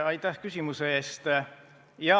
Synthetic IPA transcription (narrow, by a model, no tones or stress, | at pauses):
ɑjt̪ːˑæhkysʲimusee̞ːst̪ | jɑ